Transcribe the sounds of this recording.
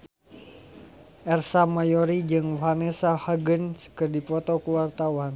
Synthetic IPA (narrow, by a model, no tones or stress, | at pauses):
ʔɛrsamajɔɾid͡ʒɨŋwɦanɛsahaɡənskɨrdipɔt̪ɔkuwart̪awan